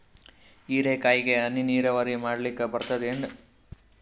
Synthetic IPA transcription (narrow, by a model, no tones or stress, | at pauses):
iːɾeːkaːjiɡe̞ɐnːiniːɾɐʋɐɾimaːɽɐlikːebɐɾt̪ɐd̪eɳɖ